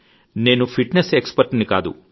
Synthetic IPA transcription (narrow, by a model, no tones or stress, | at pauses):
ne̞ːnupʰiʈnesekspɐɾʈnika̰ːd̪ṵ